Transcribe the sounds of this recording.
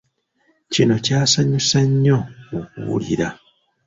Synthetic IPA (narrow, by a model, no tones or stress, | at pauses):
cino̞caːsaɲusaɲːook̚ṵβṵlḭɾa